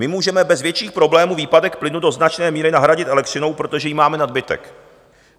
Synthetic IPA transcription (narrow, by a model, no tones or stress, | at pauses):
ɪmuːʒɛmɛbɛzvjɛt͡ʃiːxpɾo̞blɛːmuːviːpadɛkplɪnudo̞znat͡ʃnɛːmiːɾɪnaɦɾaɟɪt̪ʔɛlɛk̚t̪rɪno̞wpɾo̞t̪o̞ʒɛjimaːmɛnad̚bɪt̪ɛ̰k